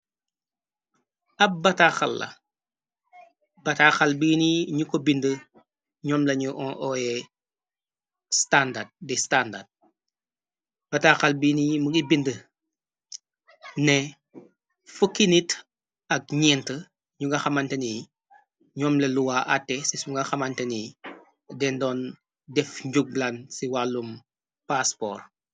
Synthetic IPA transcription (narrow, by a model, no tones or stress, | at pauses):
ɐp̚bɐtaxɐ̰lːɐ̰ | bɐtaxɐlbiːniɲukɔbində | ɲɔːmlɐɲuʔɔʔɔjɛ | standad̚distandad̚ | b̥ɐtaxɐlbiːnimuɡibində | nɛ | fukːinit | ɐk̚ɲɛːntə | ɲuŋɡɐxɐmɐntɛnij | ɲɔːmlɐluwaːʔɐtːɛsisuŋɡɐxɐmɐntɛnij | dɛndɔːn | dɛfɲɟuɡ̚lɐnsiwalːum | paspɔ̰ːr